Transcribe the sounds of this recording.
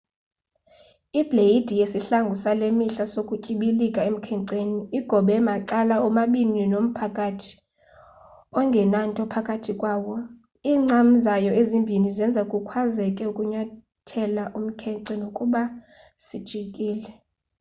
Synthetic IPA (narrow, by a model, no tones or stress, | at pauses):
ib̥lejid̥ʱijesiɬaŋɡʱusalemiɬasokʼucʼiɓilikʼaem̩kʰɛŋǀeniːɡ̥ʱɔɓɛmaǃalaɔmaɓininom̩pʰakʼatʰi̥ | ɔŋɡʱɛnantʼɔpʰakʼatʰikʼwaːwɔ | iːŋ͡ǀam̩zajɔezimbʱinizɛnd͡zʱakʼukʰwazɛkʼɛukʼuɲwa | tʰɛlaʔum̩kʰɛǀɛnokʼuɓa | sid̥ʒ̥ʱikʼiːlɛ